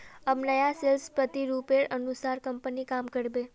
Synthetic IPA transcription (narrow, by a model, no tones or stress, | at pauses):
əmnəjaselspət̪iɾupeɽənusaɾkəmpənikamkəɽbe